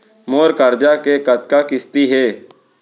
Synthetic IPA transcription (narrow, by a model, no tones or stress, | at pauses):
moːɾkəɾd͡ʒakekət̪kakɪst̪iɦɛː